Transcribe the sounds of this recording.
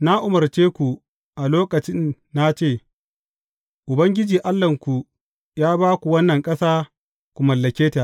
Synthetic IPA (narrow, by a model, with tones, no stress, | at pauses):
na˦ʔʊ˨mɐ˨rt͡ʃeː˦kʷu˨ | ʔa˨loː˦kɐ˨t͡ʃɪ˦nː | a˦t͡ʃeː˦˨ | ʔʊ˨bɐ˦ŋɡʲɪ˦d͡ʒiː˨ʔa˦lːɐ˨ŋkʷu˨ | jaː˦baː˦kʷu˨wɐ˦nːɐ˨ŋkʼɐ˦saː˦ | kʷu˨mɐ˨lːɐ˨kʲeː˦ta˨